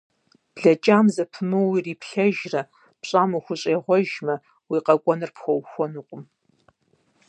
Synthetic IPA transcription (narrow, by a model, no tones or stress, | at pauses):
b̥ɮɐt͡ʃʼaːmzɐpʰɨnuːwiːriːpɬɐʒrɐ | pɕʼaːmuxʷʊɕʼeːʁʷɔʒmɐ | wiːqɐkʷʼɔnɨrpxʷɔwxʷɔnuːqʷʼʊm